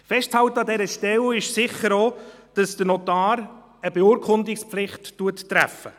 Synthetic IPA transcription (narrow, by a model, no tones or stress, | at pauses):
fɛʃtt͡shɑwtəɑdɛɾəʃtɛlɪʃsɪχəɾoːd̥ɑsd̥ənɔtɑːɾ | əbeuːɾkʰʊndɪkspflɪχtːuətːɾæ̰fə